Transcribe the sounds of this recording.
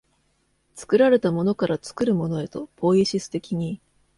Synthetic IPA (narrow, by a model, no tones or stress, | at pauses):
t͡sɨ̥kɯ̟ɾaɾe̞t̪amo̞no̞kaɾʔat͡sɨ̥kɯ̟ɾɯ̟mo̞no̞e̞t̪o̞po̞ːiɕisɨ̥t̪e̞kʲiɲ̟i